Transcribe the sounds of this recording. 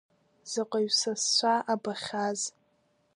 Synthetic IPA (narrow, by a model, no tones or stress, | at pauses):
z̥aqʷʼaɥsast͡ʃʷaʔabaχʲaz